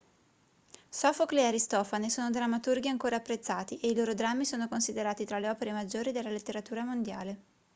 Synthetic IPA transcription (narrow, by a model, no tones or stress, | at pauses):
sɔfokleaɾist̪ɔːfanesoːnod̪ɾamːat̪urɡiaŋkoːɾaːpːɾet̪sːaːt̪iʔeiloːɾod̪ɾamːisoːnokonsid̪eɾaːt̪it̪ɾaleɔːpeɾemad͡ʒːoːɾid̪elːalet̪ːeɾat̪uːɾamond̪ja̰ːle